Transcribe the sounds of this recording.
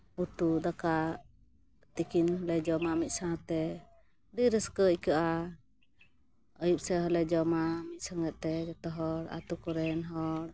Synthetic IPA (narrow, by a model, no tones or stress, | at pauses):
ut̪ud̪aka | t̪ikinɦɔlɛd͡ʒɔmamit̪̚ˀsãt̪ɛ | diɾəskəikaʔa | əjup̚sɛɦɔlɛd͡ʒɔmamit̪̚ˀsaŋɡɛt̪̚t̪ɛɡɛt̪ɔɦɔɾa̰t̪ukɔɾɛnɦɔɽ